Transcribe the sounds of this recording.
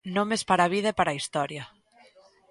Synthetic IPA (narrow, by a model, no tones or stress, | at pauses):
nomespaɾaβ̞ið̞epaɾaist̪ɔɾjɐ